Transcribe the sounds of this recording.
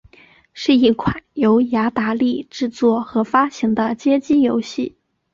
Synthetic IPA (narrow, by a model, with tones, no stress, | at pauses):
ʂɻ̩˥˧i˥˩kʰwa˨˩˦njo˧˥ʊja˧˥t̪a˧˥li˥˧ʈ͡ʂɻ̩˥˧t͡swɔ˥˩xɤ˧˥fa˥ɕi˧˥ŋd̪ə˧t͡ɕjɛ˥t͡ɕi˥jo˧˥ʊɕi˥˩